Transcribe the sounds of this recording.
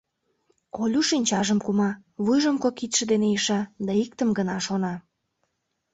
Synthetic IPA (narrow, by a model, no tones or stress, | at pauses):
olʲuʃinʲt͡ɕɑʒəmkumɑβujʒə̆mkokit̪ʃə̆d̪enejəʃɑd̪ɑikt̪əmɡənɑʃonɑ